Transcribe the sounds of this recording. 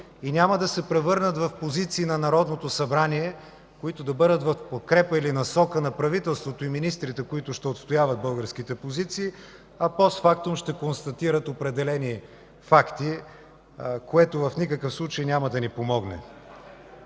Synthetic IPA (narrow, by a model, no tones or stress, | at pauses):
inʲaməd̪ɐsɛpɾɛvɤɾnət̪vɐfpozit̪siːnɐnɐɾɔd̪not̪osɐbɾaniɛ | koit̪od̪ɐbɤd̪ət̪vɐfpot̪̚kɾɛpəilinɐsɔkənɐpɾɐvit̪ɛlˠst̪vot̪oiminist̪ɾit̪ɛkoit̪ʊʃt̪ɛot̪st̪ojavət̪̚bɤlˠɡəɾsk̟it̪ɛpozit̪siː | ɐpɔsfak̚t̪ʊmʃt̪ɛkonst̪ɐt̪iɾət̪opɾɛd̪ɛlɛni | fakt̪i | koɛt̪ovɐfnikəkəfslˠut͡ʃəjnʲaməd̪ɐnipomɔɡnɛ̰